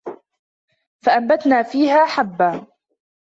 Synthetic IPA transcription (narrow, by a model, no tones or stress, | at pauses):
faʔambat̪naːfiːhaːħabːaː